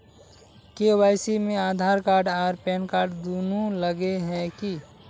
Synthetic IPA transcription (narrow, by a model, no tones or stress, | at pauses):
kewaːɪsimẽaːd̪ʱaːɾkaːɾɖaːɾpɛːnkaːɾɖd̪oːnoləɡeɦɛ̃ki